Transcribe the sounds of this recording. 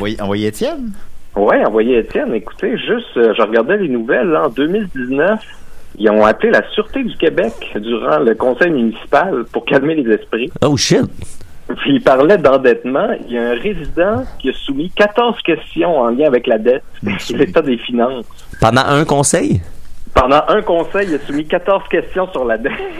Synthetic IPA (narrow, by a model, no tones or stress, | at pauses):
jɑ̃vwajeet̪jɛnwiɑ̃vwajeːt͡s̪jɛneku̥t̪eʒʏst̪ʒəʁəɡaʁd̪ɛlenuvɛlɑ̃d̪ømild̪iznœf | ijɔ̃aplelasyʁt̪ed̪ykʲebɛkd̪yʁɑ̰̃ləkɔ̃sɛjmynisi̥palpuʁkalmelezɛspʁioʃɪt̪̚piipaʁlɛd̪ɑ̃d̪ɛt̪mɑ̃ḭljaɛ̃ʁezid̪ɑ̃kʲiəsumikat̪ɔʁz̥kʲɛst͡s̪jɔ̃ɑ̃ljɛ̃avɛklad̪ɛt̪̚ilet̪ãd̪efinɑ̃s | pɑ̃d̪ɑ̰̃ʔɛ̃kɔ̃sɛjpɑ̃d̪ɑ̃ʔə̃kɔ̃sɛjiasumikat̪ɔʁz̥kʲɛst͡s̪jɔ̃syʁlad̪ɛt̪